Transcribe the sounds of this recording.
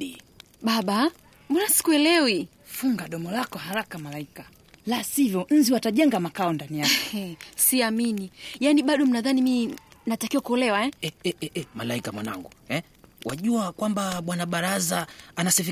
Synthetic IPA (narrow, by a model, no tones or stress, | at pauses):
i | ɓaɓa | mɔnasi̥kuɛlɛwi | fuŋɡaɗɔmɔlakɔhaɾakamalaika | lasivjɔn̩ziwataʄɛŋɡamakaɔndanijaksiaminijaniɓaɗɔm̩naðaniminatakiwakuɔlɛwaɛɛɛɛɛmalaikamwa̰na̰ŋɡuɛ | wa̰ʄuakwambaɓwanaɓaɾazaːnasɛfi